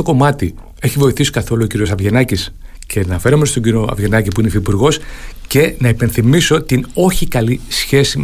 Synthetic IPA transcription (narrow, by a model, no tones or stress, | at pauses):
oko̞mɐt̪i | e̞çivo̞iθisi̥kɐθo̞luo̞ciɾio̞sɐvʝe̞nɐcis | cʰe̞nɐfe̞ɾo̞me̞st̪o̞ɲɟiɾio̞ɐ̰vʝe̞nɐcipuineifipuɾɣo̞sce̞nɐipe̞nθimiso̞t̪ino̞çikɐlisçe̞si